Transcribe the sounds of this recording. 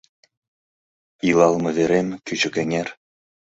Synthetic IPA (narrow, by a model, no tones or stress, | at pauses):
ilˠɑlˠmɤ̆vʲeɾʲemʲkʲyt͡ɕɘ̆kʲĕŋʲerʲ